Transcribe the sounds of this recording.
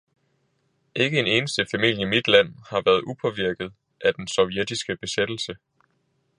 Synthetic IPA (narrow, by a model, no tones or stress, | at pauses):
ʔe̝ɡ̥əe̝ne̝ːnəsd̥əfæmil̰jimid̥læn̰hɑ̈ʋæɐð̞ˠʔupʰɒ̽ʋiɐɡ̥ð̞̩ˠ | ʔæd̥ensɒ̽ʊjed̥isɡ̥əb̥e̝sed̥l̩sə